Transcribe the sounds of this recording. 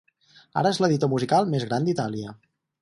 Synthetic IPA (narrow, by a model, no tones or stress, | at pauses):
a̰ɾəezləðit̪omuzikalˠmezɣɾand̪it̪aliə